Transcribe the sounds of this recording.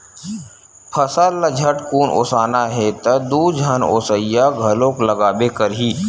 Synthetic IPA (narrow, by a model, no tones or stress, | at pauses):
pʰəsalːəd͡ʒʱəʈkuːnʔo̰ːsaːnaɦet̪ɐd̪uːd͡ʒəno̰ːsəijaɡʱɐlõkləɡaːbekəɾɦiː